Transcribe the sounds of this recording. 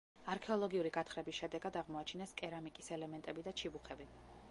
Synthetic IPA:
aɾkʰɛɔlˠɔɡiuɾiɡat̪ʰχɾɛbisʃɛd̪ɛɡad̪aʁmɔat͡ʃʰinɛskʼɛɾamikʼisɛlɛmɛnt̪ʼɛbid̪at͡ʃʰibuχɛbi

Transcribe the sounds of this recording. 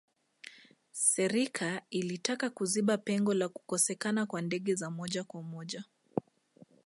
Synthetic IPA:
sɛɾikʰailitakakuziɓapɛŋɡɔlaku̥kɔsɛkanakwandɛɠɛzamɔʄakwamɔʄa

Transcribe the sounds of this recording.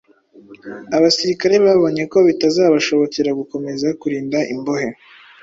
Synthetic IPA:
aβasiɾikaɾe̞βaːβo̞ɲe̞ko̞βitazaːβaʃo̞βo̞ceɾaɡuko̞me̞zakuɾiːndaʔimbo̞he

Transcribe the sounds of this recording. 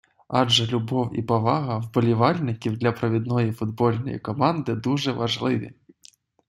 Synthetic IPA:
aʐɐlʲubɔwḭpavaɣɐwbɐlʲivalʲnʲɪkʲiwd̪lʲɐpɾɐvʲid̪nɔjɛfud̪bɔlʲnɐjɛ̰kɔmand̪ɨd̪uʐɛvaʐlˠɨvʲḭ

